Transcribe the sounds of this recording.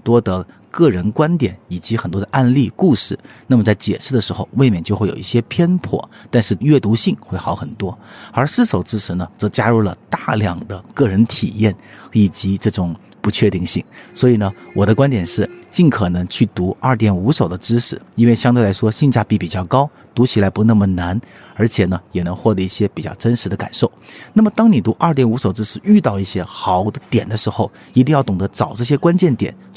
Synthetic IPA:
nt̪wɔ˥d̪ə˨ | kɤ˥˩ɻə˧˥nkwa˥nt̪jɛ˨˩˦ni˨˩t͡ɕi˧˥xə˨˩nt̪wɔ˥d̪ə˧ʔa˥˧nli˥˩ku˥˧ʂɻ̩˥˩na˥˩mə˩t͡sa˥˩ɪt͡ɕjɛ̰˨˩ʂɻ̩˥˩d̪ə˩ʂɻ̩˧˥xo˥˧ʊwe˥˧ɪmjnt͡ɕjo˥˧ʊxe˥˩jo̰˨˩i˥˩ɕjɛ˥pʰjɛ˥npʰwɔ̰˨˩˦t̪a˥˧nʂɻ̩˥˧ɥɛ˥˩t̪u˧˥ɕi˥˧ŋxwe˥˩ɪxɑ˧˥ʊxə˨˩nt̪wɔ˥ə˞˧˥s̩˥˩ʂo˨˩ʊʈ͡ʂɻ̩˥ʂɻ̩˧˥nə˧t͡sɤ˧˥t͡ɕja˥ɻu˥˩lə˩t̪a˥˩ljɑ˨˩ŋd̪ə˦kɤ˥˩ɻə˧˥nt̪ʰḭ˨˩jɛ˥˩ni˨˩t͡ɕi˧˥ʈ͡ʂɤ˥˩ʈ͡ʂʊ˨˩ŋ | pu˧˥t͡ɕʰɥɛ˥˧t̪i˥˧ŋɕi˥˩ŋswɔ˧˥i˨˩nə˧˦wɔ˨˩d̪ə˦kwa˥nt̪jɛ˨˩nʂɻ̩˥˩t͡ɕi˥˩nkʰɤ˨˩nɤ˧˥ŋt͡ɕʰy˥˩t̪u˧˥ɐ˞˥˩t̪jɛ˨˩nu˧˥ʂo˨˩ʊd̪ə˦ʈ͡ʂɻ̩˥ʂɻ̩˥˩i˥nwe˥˩ɪɕjŋt̪e˥˧ɪla˧˥ɪʂwɔ˥ɕi˥˧ŋt͡ɕja˥˧pi˥˩pi˨˩t͡ɕjɑ˥˩ʊkɑ˥ʊ | t̪u˧˥t͡ɕʰi˨˩la˧˥ɪpu˧˥na˥˩mə˩na˧˥n | ə˞˧˥t͡ɕʰjɛ˨˩nə˦jɛ˨˩nɤ˧˥ŋxwɔ˥˩dɤ˧i˥˩ɕjɛ˥pi˨˩t͡ɕjɑ˥˩ʊʈ͡ʂə˥nʂɻ̩˧˥d̪ə˧ka̰˨˩nʂo˥˩ʊna˥˩mə˩t̪ɑ˥ŋni˨˩t̪u˧˥ʔə˞˥˩˧t̪jɛ˨˩nu˧˥ʂo˨˩ʊʈ͡ʂɻ̩˥ʂɻ̩˥˩y˥˧t̪ɑ˥˧ʊi˥˩ɕjɛ˥xɑ˨˩˦ʊd̪ə˧t̪jɛ˨˩nd̪ə˦ʂɻ̩˧˥xo˥˧ʊ | i˧˥t̪̬i˥˧ŋjɑ˥˩ʊt̪ʊ˨˩ŋd̪ə˧˥t͡sɑ˨˩ʊʈ͡ʂɤ˥˩ɕ̬jɛ˥kwa˥nt͡ɕjɛ˥˩nt̪jɛ̰˨˩˦n

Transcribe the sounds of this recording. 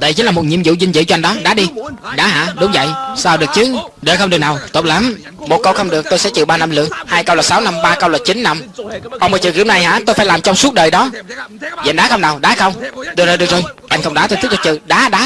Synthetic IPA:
ɗə̰˨˧˨jt͡ɕi˨˦laː˨˩mo˨˩t̚ɲḭ˧əmzṵ˧˨zi˧ŋ̟zɨ̰˧˨t͡ɕɔ˧a˧jŋ̟ɗɔ˨˦ɗaː˨˦ɗi˧ɗaː˨˦ɦa̰ː˧˥ɗʊ˨˦ŋ͡mvə̰˧˨jsaː˧wɗɨ˨˩ək̚t͡ɕɨ˨˦ | ɗəː˨˩xə˧wŋ͡mɗɨ˨˩əknaː˨˩wt̪o˨˩p̚laː˨˦m | mo˨˩t̚kə˧wxə˧wŋ͡mɗɨ˨˩ək̚t̪o˧jsɛ̰˧˥t͡ɕɨ˨˩ɓaː˧na˧mlɨ̰˧˨əŋhaː˧jkə˧wlaː˨˩saː˨˦wna˧mɓaː˧kə˧wlaː˨˩t͡ɕi˨˦nːa˧mʔə˧wmə˨˩t͡ɕɨ̰˧˩ki˧˥wna˨˩jhaː˧˥t̪o˧jfaː˧˦laː˨˩mt͡ɕɔ˧wŋ͡msu˦˥t̚ɗəː˨˩jɗɔ˨˦vŋɗaː˨˦xə˧wŋ͡mnaː˨˩wɗaː˨˦xə˧wŋ͡mt̪ɨ˧˩zəː˨˩ɗɨ˨˩ək̚zoː˨˩jʔa˧jŋ̟xə˧wŋ͡mɗaː˨˦t̪o˧jt̪k̚t̪̚t͡ɕɨ̰˧˨˩ɗaː˨˦ɗaː˨˦

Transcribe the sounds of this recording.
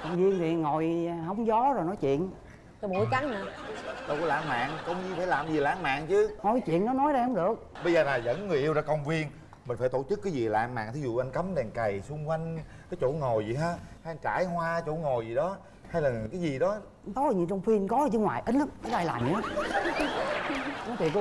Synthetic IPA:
kə˨˩wŋ͡mvi˧ənt̪ʰi˨˩˨ŋo˨˩jhə˧wŋ͡mzɔ˨˦zo˨˩jnɔ˨˦jt͡ɕwḭ˧˨ən | ɔ˧˦ɓu˨˧˩jt͡ɕa˨˦ŋnɨ˨˦ɗə˨˩kla̰ː˧˨mma̰ː˧˨ŋkə˧wŋ͡mzi˧faː˧˩jlaː˨˩mzi˨˩la̰ː˧˨ŋma̰ː˧˨ŋt͡ɕɨ˨˦hɔ˨˩t͡ɕwḭ˧˨ənnɔ˨˦nɔ˨˦jɗə˧jhə˧wŋ͡mɗɨ˨˩ək̚ɓə˧jzəː˨˩laː˨˩zə̰˧˥nŋɨ˨˩əʔi˧wzaː˧˩kə˧wŋ͡mvi˧ən | mï̟˨˩faː˧˩jt̪o˧˩t͡ɕɨ˦˥kːaː˨˦jzi˨˩la̰ː˧˨mma̰ː˧˨ŋt̪i˨˦zṵ˧˨ʔa˧ŋ̟kə˨˦mɗɛ˨˩ŋka˨˩jsu˧ŋ͡mkwa˧jŋ̟kaː˨˦jt͡ɕo̰˧˩˥ŋo˨˩jzḭ˨˩ɦaː˧ha˧ʔnt͡ɕa̰ː˧˩jɦwaː˧t͡ɕo˧˥ŋo˨˩jzi˨˩ɗɔ˨˦ | ha˧jlaː˨˩kaː˨˦jzi˨˩ɗɔ˨˦˧ | t̪ɔ˨˦˨ɲi˧˨nt͡ɕɔ˧wŋ͡mfi˧nkɔ˨˦˨t͡ɕɨ˨˦ŋwaː˨˩jʔə˨˦nlaː˨˦mka˨˦ɗa˧jlaː˨˩mḭ˨˧˦a˨˦ | nɔ˨˦jt̪i˨ə˧

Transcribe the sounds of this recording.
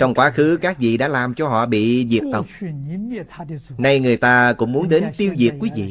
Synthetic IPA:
t͡ɕɔ˧wŋ͡mkwaː˨˦xɨ˨˦kaː˦˥k̚vḭ˧˨ɗa̰ː˧˥laː˨˩mt͡ɕɔ˧ɦɔ̰˧˨ɓḭ˧˨zi˨˩ək̚t̪ə˨˩w̚ | na˧jŋɨ˨˩əjt̪aː˧kʊ̰˧˥ŋ͡mmu˨˦ənɗe˨˦nt̪i˧əwzi˨˩ək̚kwi˨˦vḭ˧˨

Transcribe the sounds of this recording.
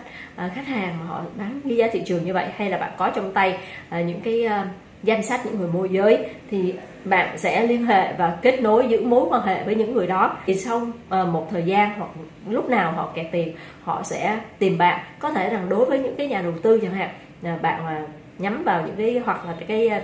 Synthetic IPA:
t̚ʔəː˨˩xa˦˥k̚haː˨˩ŋmaː˨˩ɦɔ̰˧˨ɓaː˨˦nɣi˧zaː˨˧t̪ʰḭ˧˨t͡ɕɨ˨˩əŋɲɨ˧və̰˧˨jha˧jlaː˨˩ɓa̰ː˧˨nkɔ˨˦t͡ɕɔ˧wŋ͡mt̪a˧jʔəː˨˩ɲɨ̰˧˥ŋkaː˨˦j | za˧jŋ̟sa˦˥t̚ɲɨ̰˧˥ŋːɨ˨˩əjmo˧jzəː˨˦jt̪ʰi˨˩ | ɓa̰ː˧˨nsɛ̰˧˥li˧ənɦḛ˧˨vaː˨˩ke˦˥t̚no˨˦jzɨ̰˧˥mo˨˦jkwaː˧nɦḛ˧˨vəː˨˦jɲɨ̰˧˥ŋːɨ˨˩əjɗɔ˨˦i˨˩sa˧wʔəː˨˩mo˨˩t̚t̪ʰəː˨˩jzaː˧nɦwa˨˩k̚ | lʊ˦˥k͡p̚naː˨˩wɦɔ̰˧˨kɛ˧˨˩t̪i˨˩m | hɔ̰˧˨sɛ̰˧˥t̪i˨˩mɓa̰ː˧˨nkɔ˨˦t̪ʰe˧˩za˨˩ŋɗo˨˦jvəː˨˦jɲɨ̰˧˥ŋkaː˨˦jɲaː˨˩ɗə˨˩wt̪ɨ˧ɲa˧˩ŋha̰ː˧˨ŋː˨˩ | ɓa̰ː˧˨naː˨˩ | ɲa˨˦mvaː˨˩wɲɨ̰˧˥ŋkaː˨˦jɦwa˨˩k̚laː˨˩kaː˨˦j

